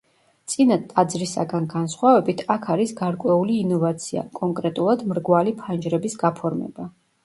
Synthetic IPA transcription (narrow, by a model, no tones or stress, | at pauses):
t̪sʼinat̪ʼad̪zɾisa̰ɡanɡansχwavɛbit̪ʰakʰaɾisɡaɾkʼwɛuliːnɔvat̪sʰia̰kʼɔŋkʼɾɛt̪ʼulˠad̪mɾɡwalipʰand͡ʒɾɛbisɡapʰɔɾmɛ̰b̥a